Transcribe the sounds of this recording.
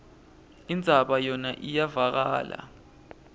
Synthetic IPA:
ind͡zʱaɓajɔnaʔijavak̬aːla̰

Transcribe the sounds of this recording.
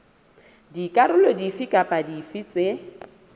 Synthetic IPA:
dikʼaɾʊlɔdifikʼapʼadifit͡sʼe

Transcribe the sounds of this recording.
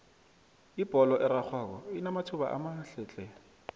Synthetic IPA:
ib̥ɔlɔʔɪɾak͡xʰwak̬ɔinamatʰʊba̰ʔa̰maɬɛːt͡ɬʼɛ

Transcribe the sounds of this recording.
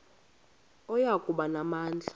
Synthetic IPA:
ɔjakʼuɓanamaːnd͡ɮʱḁ

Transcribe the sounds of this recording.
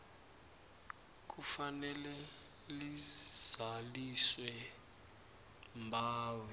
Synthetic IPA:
k̬ʼufanɛlɛ | liz̥aliswɛ | mbʱaːwɛ

